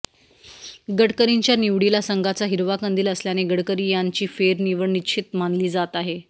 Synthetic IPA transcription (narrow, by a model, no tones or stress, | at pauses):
ɡəɽkəɾiɲt͡ɕjaniʋɽilasəŋɡʱat͡saɦiɾʋakənd̪iːləsljaneɡəɽkəɾiːjaɲt͡ɕiːfeɾniʋəɳnit͡ɕʰit̪manliːd͡zat̪aɦe